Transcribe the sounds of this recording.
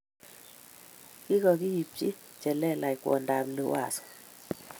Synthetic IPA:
ki˦kɔ˨ki˦ji˨p̚t͡ʃḭ˦ | t͡ʃɛ˨lɛ˦la˨i˨kwɔ̰˨nda˨mlo˨wa̰˨sɔ̥˨

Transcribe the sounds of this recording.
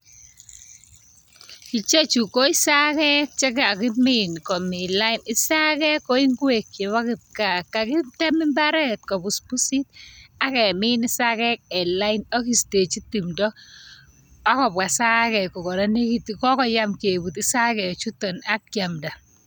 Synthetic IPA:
ki˨t͡ʃe˦t͡ʃu˨ko˦i˦sa˦kɛ˦k̚t͡ʃe˦ka˨kɪ˦mɪ˦nkɔ˨mɪ˨la˦ɪ˨nɪ˦sa˦kɛ˦kːɔ˦i˦ŋɡwe˨kje˨βa˦kɪ˨t̚ka˨ka˨kɪ˦ta˦mɪ˦mba˦ɾɛ˦t̚kɔ˨bu˨spu˦si˦t̚a˦kɛ˨mɪ˦nɪ˦sa˦kɛ˦k̚ɛ˨la˦ɪnɔ˦ki˨ste˨t͡ʃi˦ti˨mdɔ˦ | a˦kɔ˨ba˨sa˦kɛ˨kɔ˨kɔ˨ɾa˦ne˦ki˦tkɔ˦kɔ˨ja˦mke˨bu˨ti˦sa˦kɛ˨t͡ʃu˦tɔ˨na˦kːja˨mda˨

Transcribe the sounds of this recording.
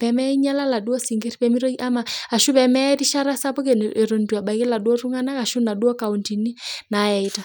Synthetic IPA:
pɛ˨mɛ˦i˦ɲa˦la˦la˨du˦ɔ˦si˨ŋɡe˦ɾipɛ˨mi˦ɾo˦i˦ʔa˦ma˨a˨ʃu˦pɛ˨mɛ˦ɾi˦ʃa˦ɾa˦sa˦pɔ˦ke˨ne˨ɾo˨ndu˨a˨ɓa˨kɛ˦la˨dwɔ˦ɾu˦ŋa˦na˦ka˨ʃu˦na˨du˦ɔ˦ka˨u˨nti˨ni˦na˨˦jɛ˨i˦ta˨

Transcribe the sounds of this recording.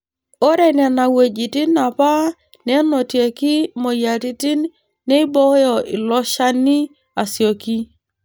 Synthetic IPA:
o˦ɾe˦˨nɛ˨na˨we˨d͡ʒi˨ti˦na˨pa˦ | ne˦no˨tje˨ki˦mo˨ja˨ti˦ti˦n | nːe˦i˦bɔ˦jɔ˨ʔi˨lɔ˦ʃa˦ni˦ | a˨sjo˨ki˦

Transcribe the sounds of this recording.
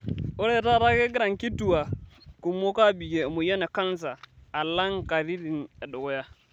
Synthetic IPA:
o˦ɾe˦˨ta˦˨ɾa˦ke˦ɡi˦ɾa˨ŋki˦tu˨wa˨ku˨mːo˦ka˦bi˨ɡe˨mu˨ja˦ne˨ka˦n˦saː˨la˦ŋka˨ɾi˦di˨ne˨do˨ɡo˦ja˦

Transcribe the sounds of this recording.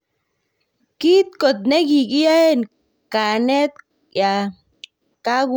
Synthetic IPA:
ki˦t̪ko˨t̪̚ne˦ɡi˨ki˦ja˦e˦n | ka˨ne˦t̪ | ja˨ | ka˦ɡ

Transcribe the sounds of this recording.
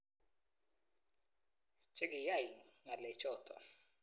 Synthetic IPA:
t͡ʃɛ˦ɡɪ˨ja˦˨i˨ŋa˨lɛ˨t͡ʃɔ˦˨t̪ʰɔ̰˨

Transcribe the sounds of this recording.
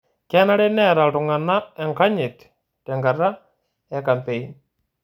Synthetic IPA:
kɛ˦na˦ɾe˦nɛ˦˨ɾa˨ltʊ˨ŋa˨na˦ɛ˨ŋka˦ɲɪ˨t | tɛ˨ŋɡa˨ra˦ | ɛ˨ka˨mpe˨i˦n

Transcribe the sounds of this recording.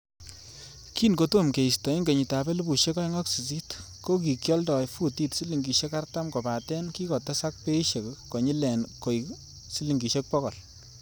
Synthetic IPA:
ki˦nko˨to˦˨mke˨i˨stɔ˨i˦ŋɡe˨ɲi˨ta˨bɛ˦lu˦bu˨ʃe˦kɑ˦jŋɔ˦ksi˨si˦t | ko˦k̬i˨kjɔ˦ldɔ˨fu˦ti˦tsi˦li˨ŋɡi˨ʃe˦ka˦rta˦mko˨pa˨tɛ˦nki˦kɔ˨te˦sa˦k̚pe˦i˦ʃe˨kko˨ɲi˦lɛ˨nko˨j | si˦li˨ŋɡi˨ʃe˦k̚pɔ˦kɔ˨l

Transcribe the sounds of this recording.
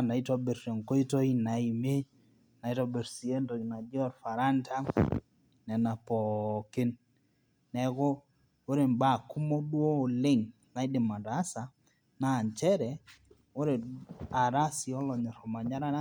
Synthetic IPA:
na˨i˦to˦be˨ɾɾe˨ŋko˦i˦to˦i˦na˨i˨me˦ | na˨i˦tɔ˦be˨ɾsi˨e˦nto˨na˨d͡ʒɔ˦ɾfa˨ɾa˦ntʰa˦ | nɛ˨na˨pɔ˨kɪ˦nː | ɛ˨kɔ˦ | o˦ɾe˨mba˦˨ku˦mo˦dwo˦o˨lɪ˦ŋ | na˨i˦dɪ˨ma˨da˦sa˨ | na˨nt͡ʃɛ˦ɾɛ˨ | o˦ɾe˨a˨ɾa˦si˨ɔ˦lɔ˨ɲɔ˨ɾɔ˨ma˨ɲa˦ɾa˦

